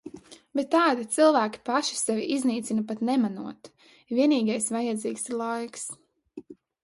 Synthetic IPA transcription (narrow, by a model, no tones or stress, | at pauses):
bɛt̪ːaːd̪it̪silˠvæːkʲi̥paʃi̥sɛvʲiʔizniːt̪sinapat̪nɛmanuɔt̪ | vʲiɛniːɡajsvajad̪ziːkslˠajks